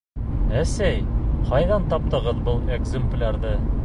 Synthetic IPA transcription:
æsæjqɒjðɑnt̪ɒp̚t̪ɤ̆ʁɤðbɤlˠeɡzʲɘmplʲaɾd̪ɤ

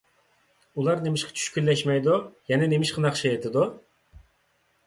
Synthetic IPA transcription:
ulˠɑɾnemɪʃqʰɑ̥t͡ʃʰy̥ʃkʲylːɛʃmɛjd̪ujɛnɛnemɪʃqʰɑnɑχʃɑet̪ʰɪd̪u

